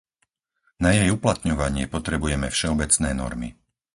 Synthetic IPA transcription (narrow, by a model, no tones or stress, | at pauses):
najɛjuplat̪ɲɔʋaɲɪɛpɔt̪ɾɛbujɛmɛfʃɛɔbɛt͡snɛːnɔ̰ɾmḭ